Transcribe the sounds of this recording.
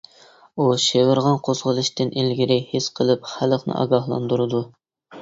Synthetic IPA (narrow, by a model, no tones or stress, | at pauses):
uʃewɪɾʁɑnqʰozʁəlˠɨʃt̪ɨnʔelɡʲiɾɪhesqʰəlˠɨpχæləχnɨ̰ʔɑ̰ɡɑhlˠɑ̰nd̪uɾɨd̪u